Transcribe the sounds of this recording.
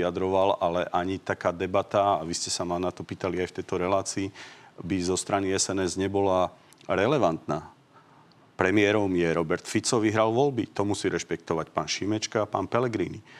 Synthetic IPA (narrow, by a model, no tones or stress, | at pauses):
ad̪ɾɔʋalalɛʔaɲit̪akaːd̪ɛbat̪aːʋiscɛsamanat̪ɔpiːt̪aliajft̪ɛjt̪ɔɾɛlaːt͡siːbizɔst̪ɾaniɛsɛnɛzɲɛbɔla | ɾɛlɛʋant̪naː | pɾɛmɪɛɾɔmjɛɾɔbɛɾt̪fit͡sɔʋiɦɾalʋɔlbit̪ɔmusiːɾɛʃpɛk̚t̪ɔʋacpaːnʃimɛt͡ʃkapa̰ːnpɛlɛɡɾḭːni